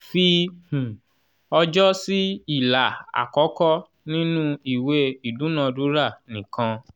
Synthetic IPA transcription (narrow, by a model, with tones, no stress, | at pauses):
fĩ˧˨ | ɔ˧d͡ʒɔ˦si˦i˦˨la˨a̰˨kɔ˨˦kɔ˦ | nĩ˦nũ˦i˦˨we˧˦i˦˨du˨˦nã˦˧du˨˦ɾa˦˨nĩ˨kã˧